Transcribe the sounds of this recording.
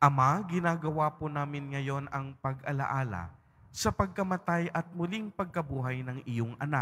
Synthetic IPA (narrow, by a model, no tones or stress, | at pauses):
ʔɐmaɡɪnaːɡɐwaːponaːmɪnŋɐjo̞nɐŋpɐɡɐlɐ̰ʔaːlɐ̰ | sɐpɐɡ̚kɐmɐt̪ajʔɐt̪̚mʊliŋpɐɡ̚kɐbuːɦɐjnɐŋʔɪjoŋɐna